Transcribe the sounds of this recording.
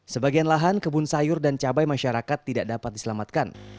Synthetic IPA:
səbaɡianlaɦankəbʊnsajʊrdant͡ʃabajmaʃaɾakat̪ːidaʔdapat̪̚disəlamat̪̚kan

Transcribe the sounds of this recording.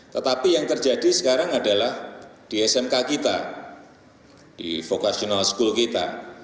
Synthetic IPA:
t̪ət̪apijaŋt̪ərd͡ʒadisəkaɾaŋadalahd̥iɛsɛmkakit̪a̰ | d̥ḭfokasionalsə̥kulkit̪a̰

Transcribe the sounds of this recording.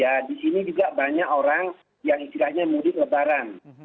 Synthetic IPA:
adisinid͡ʒuɡaʔbaɲakoɾaŋ | jaŋist̪ilahɲamudɪt̪ləbaɾan

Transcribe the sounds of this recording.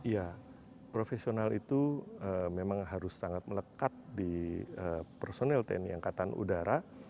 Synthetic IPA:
ija | pɾofesionalit̪uəmemaŋɦaɾʊsːaŋat̪̚mələkat̪̚diəpərsonɛlt̪ɛ̰ɛnjaŋkat̪anṵdaɾa

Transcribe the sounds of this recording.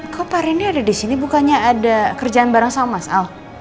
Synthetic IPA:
kapaɾiniadadisinibukaɲaːdakərd͡ʒaanbaɾaŋsamasa

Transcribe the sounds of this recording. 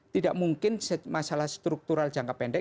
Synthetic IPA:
t̪idaʔmuŋkɪnsmasalahst̪ɾuk̚t̪uɾal̥d͡ʒ̥aŋkapɛɳɖɛ

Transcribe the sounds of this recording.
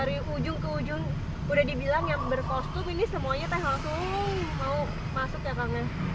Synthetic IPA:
aɾiʔud͡ʒʊŋkəud͡ʒʊŋ | udahdibilaŋjaŋbərkɔst̪uminisəmuaɲat̪ahasomau | masʊkjakaŋa

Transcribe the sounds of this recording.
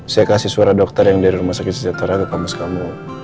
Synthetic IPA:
sajakasisuaɾadɔk̚t̪arjaŋdaɾiɾumahsakɪt̪səd͡ʒat̪aɾaɡakamaskamu

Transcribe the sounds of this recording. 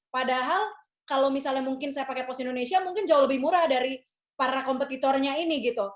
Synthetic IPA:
padaɦal | kalowmisalɲamuŋkɪnsajapakepɔst̪indonesiamuŋkɪnd͡ʒauhləbɪhmuɾahdaɾi | paɾakɔmpət̪it̪ɔrɲainiɡit̪u

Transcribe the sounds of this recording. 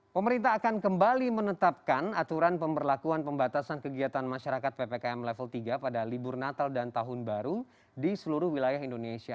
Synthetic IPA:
pəməɾint̪aɦːkankəmbalimənət̪ap̚kanat̪uɾanpəmbərlakuanpəmbat̪asankəɡiat̪anmaʃaɾakat̪̚pepekaɛmlɛfəlt̪iɡapadalibʊrnat̪aldant̪aɦʊnbaɾu | disəluɾʊhwilajaɦindonesia

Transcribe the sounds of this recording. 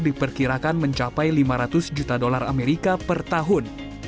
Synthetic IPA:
dipərkiɾakanməɲt͡ʃapajlimaɾat̪ʊsd͡ʒut̪adolarameɾikapərt̪aɦʊn

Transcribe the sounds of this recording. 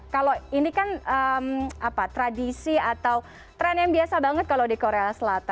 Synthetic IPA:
kaloinikanəmapat̪ɾadisiat̪aw | t̪ɾɛnjaŋbiasabaŋət̪̚kalowdikoɾeasəlat̪a

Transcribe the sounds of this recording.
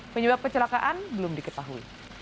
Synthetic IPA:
pəɲəbap̚kət͡ʃəlakaʔanbəlʊmdikət̪aɦuḭ

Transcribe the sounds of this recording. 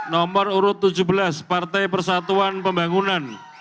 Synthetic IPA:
nɔməruɾʊt̪ːu̥d͡ʒubəlaspart̪ajpərsat̪uanpəmbaŋunan

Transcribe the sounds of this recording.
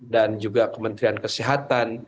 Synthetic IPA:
dand͡ʒuɡakəmənt̪ɾiankəsiɦat̪an

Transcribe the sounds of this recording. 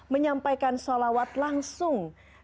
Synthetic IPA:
məɲampajkansalawat̪laŋsʊŋ

